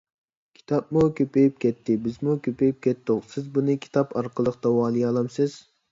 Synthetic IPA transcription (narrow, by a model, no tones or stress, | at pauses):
kʲʰi̥t̪ʰɑp̚mukʲʰøpejip̚kʲɛt̪ʰːɪbɪzmukʲøpejip̚kʲɛt̪ːʊqsɪzbunɨkʲʰi̥t̪ʰɑpʰɑɾqʰəlˠəqt̪ɑwɑːlˠijɑlˠɑmsɪz̥